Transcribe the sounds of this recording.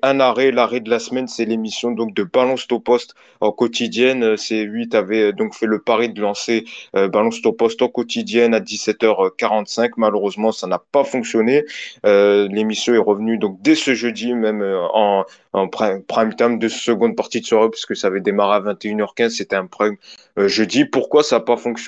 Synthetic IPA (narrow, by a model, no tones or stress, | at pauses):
ɛ̃naʁɛlaʁɛd̪əlasmɛnsɛlemisjɔ̃d̪ɔ̃k̚d̪əbalɔ̃st̪opɔst̪ | ɑ̃kɔt̪id̪jɛnøsɛlɥit̪avɛd̪ɔ̃kfɛləpaʁed̪əlɑ̃seøbalɔ̃st̪opɔst̪ɑ̃kɔt̪id̪jɛnad̪isɛt̪œʁkaʁɑ̃t̪sɛ̃kmaløʁøzmɑ̃sanapafɔ̃ksjɔneølemisjɔ̃ɛʁəvnyd̪ɔ̃k̚d̪ɛsəʒød̪imɛmøɑ̃ | ɑ̃ppχajmt̪amd̪əsəɡɔ̃d̪̚paʁt̪id̪əswaʁepɥiskəsaːvɛd̪emaʁeavɛ̃t̪eynœʁkʲɛ̃zset̪ɛɛ̃pχam | ʒød̪ipuʁkwasaːpafɔ̃ks